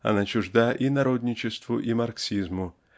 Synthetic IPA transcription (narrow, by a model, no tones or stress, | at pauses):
ɐ̰nat͡ʃʊʐd̪ajʔinaɾod̪ʲnʲɪt͡ʃɪst̪vʊʔimarksʲizmʊ